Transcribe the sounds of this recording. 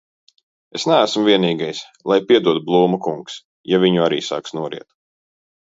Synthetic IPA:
esnææsmviɛniːɡajs | lˠajpʲiɛd̪uɔt̪̚blˠuːmukuŋks | javʲiɲuaɾḭːsa̰ːksnuɔɾḭɛt̪

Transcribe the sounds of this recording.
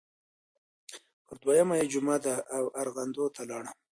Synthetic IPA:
pʰəɾd̪wajamajed͡ʒʊmad̪aʔːwaɾɣand̪ot̪ʰalɑɽa

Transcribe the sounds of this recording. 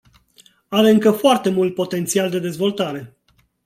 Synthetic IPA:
aɾeɨŋkəfoart̪e̞mult̪̚po̞t̪e̞nt̪siald̪e̞d̪e̞zvo̞lt̪aɾe̞

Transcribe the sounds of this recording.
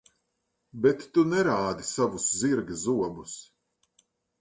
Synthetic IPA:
bɛt̪ːunɛɾaːd̪isavusziɾɡɨzuɔbus

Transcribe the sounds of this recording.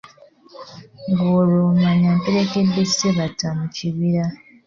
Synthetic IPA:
ŋɡoɾumaɲampeɾe̞ke̞dːesi̥seβatːamuciβiɾa

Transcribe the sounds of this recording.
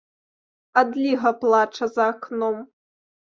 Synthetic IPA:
ad̪lʲiɣɐplˠat͡ʂɐzɐːknɔm

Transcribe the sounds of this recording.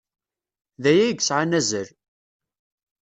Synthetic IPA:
ðæjæɡsʕanæzəɾ

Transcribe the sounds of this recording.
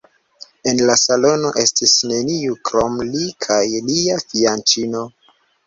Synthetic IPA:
e̞nlasalo̞no̞ʔe̞stisne̞niukɾo̞mlikʰajliafiant͡ʃino̞

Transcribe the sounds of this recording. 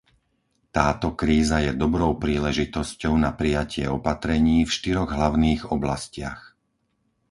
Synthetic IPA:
t̪aːt̪ɔkɾiːzajɛd̪ɔbɾɔʊpɾiːlɛʒit̪ɔscɔʊnapɾijacɪɛɔpat̪ɾɛɲiːfʃt̪iɾɔɣɦlaʊniːɣɔblascɪa̰x

